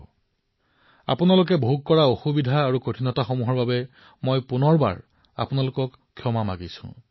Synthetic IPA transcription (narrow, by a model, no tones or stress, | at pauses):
a̰punalʊk̬ɛboɦukkɔɹaoxubidʱaːɹukotʰinɔtaxomuɦɔɹbabɛ | mojpunɔɹba̰ɹ | a̰pʊnalʊkɔkʰːjɔmama̰ɡisʊ̰̃